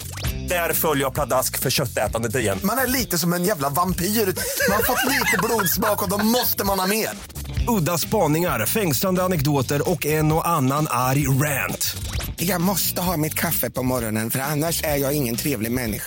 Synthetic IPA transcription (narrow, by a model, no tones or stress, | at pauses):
d̪̥æɾfœljəjapʰlad̪askfœɕœt̪ːɛːt̪and̪ət̪ɪɾɪjɛ̰nːmanæɭiːt̪əsɔmɛnjæːvlavampiːɾʉːt̪manhaɾfɔt̪ːliːt̪əbluːd̪sbɑːkɔd̪ɔmmɔst̪əmanhɑmeːɾ | ɵd̪ːaspɑːnɪŋaɾfɛŋsland̪əanɛkd̪oːt̪əɾɔkːɛnɔʔanːanʔaɾjɾænt̪jɑːɡmɔst̪əɦɑːmɪt̪kʰafːəpɔmɔɾɔnənfœɾanːaʂæɾjɑːɡɪŋːənt̪ʰɾeːvlɪɡmɛnːɪ̰ɧa